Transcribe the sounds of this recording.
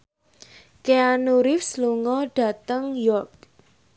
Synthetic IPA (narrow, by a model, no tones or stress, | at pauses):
keanuɾɪfsluŋɔɖ̥a̤t̪əŋjɔrk̚